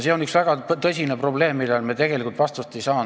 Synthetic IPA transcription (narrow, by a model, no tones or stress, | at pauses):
seonyksvæɡ̥ɑt̪ɤsʲinepro̞ble̞ːmːilːelmet̪e̞ɡ̥e̞likult̪vɑst̪ust̪e̞jsɑː